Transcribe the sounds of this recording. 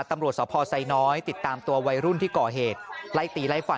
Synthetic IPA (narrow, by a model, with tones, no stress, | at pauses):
t̪ːa˧mɾu˨˩ət̪̚sɔː˩˦pʰɔː˧sa˧jnɔː˦˥jt̪i˨˩t̪ːaː˧mt̪u˧ɐwa˧jɾu˥˩nt̪ʰiː˥˩kɔː˨˩ɦeː˨˩t̪̚la˦˥˩jt̪iː˧˩la˦˥˩jfa˨˩